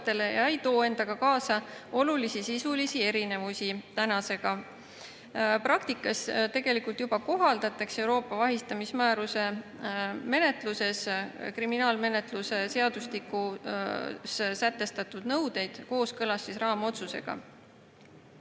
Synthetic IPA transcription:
t̪ːe̞le̞jɑejt̪o̞ːe̞nd̪̥ɑɡ̥ɑkɑːsɑo̞lulisisisulisie̞ɾine̞vusit̪ænɑse̞ɡ̥ɑ | prɑkt̪ikːˑɑst̪e̞ɡ̥e̞likult̪jubɑko̞ɦɑld̪̥ɑt̪ːˑekse̞uwɾo̞ːpːˑɑvɑɦist̪ɑmismæːɾuse̞ | me̞ne̞t̪ˑluse̞skriminɑːlme̞ne̞t̪luse̞se̞ɑd̪̥usliku | ssæt̪ːe̞st̪ɑt̪ˑud̪̥nɤwd̪e̞jd̪̥ko̞ːskɤlɑsːisrɑːmo̞t̪suse̞̰ɡ̥ɑ̰

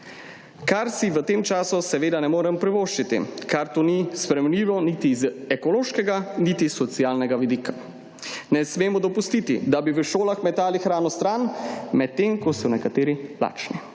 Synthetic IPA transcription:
kaɾsiʋət̪eːmt͡ʃaːsusɛʋeːd̪anɛmoːɾɛmpɾɛʋoːʃt͡ʃit̪ḭkʰaɾt̪oːnispɾɛmɛniːʋɔnit̪izɛkɔloːʃkɛɡanit̪isɔt̪siaːlnɛɡaʋid̪iːkʰḁ | nɛsmeːmɔd̪ɔpust̪it̪ḭd̪abiʋəʃoːlaxmɛt̪aːlixɾaːnɔst̪ɾaːnmɛt̪̚ːeːmkɔsɔnɛkat̪eːɾila̰ːt͡ʃni

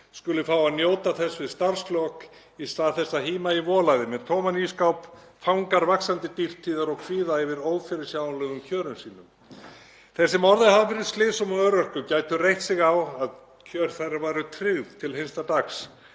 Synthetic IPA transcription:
skʏlʏfaːwaðnjoːwt̪aθɛsːvɪðst̪ar̥sklɔk | isaθɛsːaɦiːmaivɔːlajðɪmɛðt̪ʰɔːmaniskawpfawŋkaɾvaksant̪ɪt̪ir̥t̪ʰːiːðaɾɔɣkʰviːðaɛvɪɾoːwfɛɾɪsjawnlɛɣʏmcʰœːɾʏmsiːnʏm | θɛsːɪmɔɾðɪhavafɪɾɪð̥st̪lɪːsɔmɔœɾœhkʏcaːjt̪ʏrejht̪sɪɣawað | cʰœɾ̥θajravajɾʏt̪ʰɾɪɣðt̪ʰɪlhenst̪at̪axs

